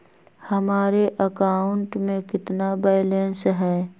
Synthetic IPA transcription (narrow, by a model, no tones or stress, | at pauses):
hɐmaːɾeʔəkaːʊɳʈmẽkɪt̪nabaːɪlensɦɛː